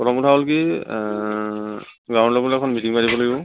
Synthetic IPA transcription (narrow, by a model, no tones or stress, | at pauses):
pɔtʰɔmputʰaɦɔlki | ɡãw̃nlɔblɛɛkʰɔnmitiŋpaɹibɔlaɡibɔ̃